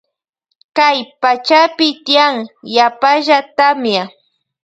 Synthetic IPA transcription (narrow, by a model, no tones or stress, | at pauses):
kajpat͡ʃapɪt̪ɪjaŋjapaʒat̪amja